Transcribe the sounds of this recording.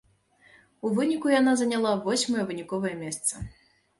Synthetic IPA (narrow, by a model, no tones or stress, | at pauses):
uvɨnʲikujanazɐnʲalˠavɔsʲmɐjɛvɨnʲikɔvɐjɛmʲɛst̪sɐ